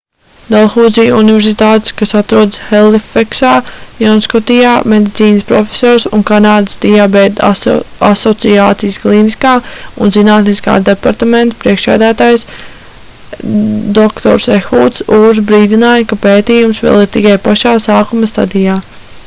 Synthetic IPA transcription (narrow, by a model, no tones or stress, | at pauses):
d̪alˠxuːd̪zijunivɛɾsit̪aːt̪e̥skasat̪ɾuɔd̪sxɛlifeksaːjɔnskɔt̪ijaːmed̪it̪siːnəspɾɔfʲe̥sɔːɾsunkanaːd̪ə̥sd̪ijaːbɛd̪asɔt̪siaːt̪sijsklˠiniskaːunzinaːt̪niska̰ːd̪epaɾt̪amẽnt̪pɾiɛkʃsæ̰ːd̪æːt̪aːjs | d̪ɔkt̪ɔ̰ɾsexuːt̪suːɾzbɾiːd̪inaːjɐkapeːt̪iːjumsʋɛ̰lˠiɾt̪ikajpaʃaːsaːkumɐst̪a̰d̪ijaː